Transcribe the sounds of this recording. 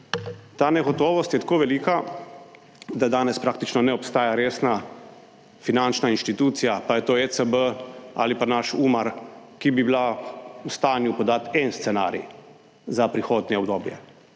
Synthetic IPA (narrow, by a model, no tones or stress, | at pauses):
t̪aːnɛɡɔt̪oːʋɔst̪jɛt̪akoːʋɛliːka | d̪ad̪aːnɛspɾaːkt̪it͡ʃnɔnɛɔpst̪aːjaɾeːsna | finant͡ʃnainʃt̪it̪uːt̪sijapajɛt̪oːesəbəa̰lipanaʃuːmaɾkibibilaust̪aːnjupɔd̪aːt̪ɛnst̪sɛna̰ːɾḭ | zapɾixoːd̪njɛɔbd̪oːbjɛ̰